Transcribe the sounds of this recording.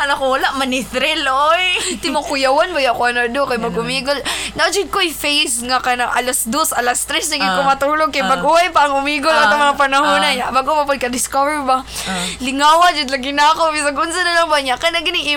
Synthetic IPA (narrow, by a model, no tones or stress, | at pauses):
alakowalaʔmɐnɪθɾɛlojt̪ɪmʊkʊjawanbajaʔkʊanod̪okajmɐɡʊmiɡolnaʔd͡ʒɪd̪̚koʔajfejsŋakanaŋʔalasd̪osalast̪ɾɛsnaɡɪd̪̚komat̪uːloɡ̚kajmɐɡʊwajpaːŋʊmiɡolat̪aŋmɐŋapɐnaɦunanaʔmɐɡʊwapad̪̚kɐd̪ɪskavɛɹbalɪŋawad͡ʒɪd̪laɡɪnakobɪs̬aɡʔʊnsanɐlaŋbaɲaʔkanaɡɪnɪŋi